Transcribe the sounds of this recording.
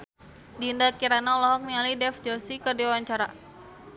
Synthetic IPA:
diːndakiɾanalɔɦɔk̚nialidɛfd͡ʒɔsikərdiwawaɲt͡ʃaɾa

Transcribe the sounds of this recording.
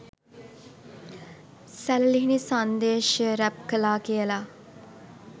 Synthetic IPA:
sælliɦinisand̪eːʃəɾæp̚kəlaːkijəla

